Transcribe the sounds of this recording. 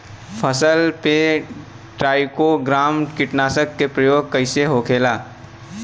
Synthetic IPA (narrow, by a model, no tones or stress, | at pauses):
pʰəsəlpe | ʈɾaːɪkoɡɾaːmkɪʈnaːsəkːepɾəjoːɡ̚kɐɪseɦoːkʰeːlaː